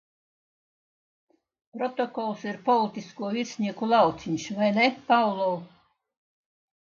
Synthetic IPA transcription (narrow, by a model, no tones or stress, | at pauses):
pɾɔt̪ɔkɔlˠsiɾpɔlˠit̪ʲiskuɔvʲiɾsʲnʲiɛkulˠɑwt̪sʲiɲʲsvajnepawlˠɔw